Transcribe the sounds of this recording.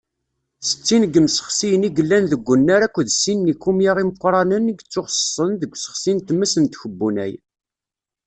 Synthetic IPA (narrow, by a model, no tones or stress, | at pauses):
sə̥t͡sːinɡəmsə̥χsijəniɡəlːænðəɡʷːənːaɾækʷːðsinːikːumjaʁiməqʷːɾˤɑnənːəɡt͡sːʊχsə̥sˤənðəɡʷsə̥χsint̪mːəsənt̪çəbːunæ̰j